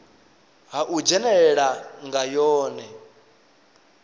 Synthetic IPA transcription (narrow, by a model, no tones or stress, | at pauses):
ɦaʔud͡ʒɛnɛɺɛɺaŋɡajɔːnɛ